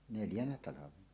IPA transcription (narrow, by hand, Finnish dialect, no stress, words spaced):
neljænæ tɑlɑʋenɑ